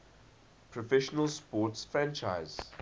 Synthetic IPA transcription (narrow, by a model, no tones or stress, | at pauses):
pʰɹɔfɛʃɔnəlspɔːˑtsfɹæ̃nt͡ʃaɪz̥